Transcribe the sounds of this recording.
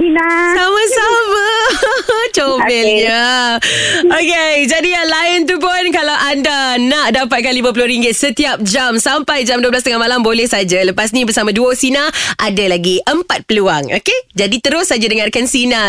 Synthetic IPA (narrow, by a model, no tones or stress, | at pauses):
ilasamasama | t͡ʃobɛlɲa | oked͡ʒadijalaɪnt̪up̬ʊnkalawʔandanaʔdapat̪̚kanlimãp̬ulʊɾiŋɡɪt̪̚sət̪iap̚d͡ʒamsampajd͡ʒamduəblas̬t̪əŋamalambolɛhsad͡ʒaləpasnibərsamãduasinaʔadalaɡiʔəmpat̪̚pəluaŋo̰ked͡ʒadit̪əɾʊsːad͡ʒadəŋarkansina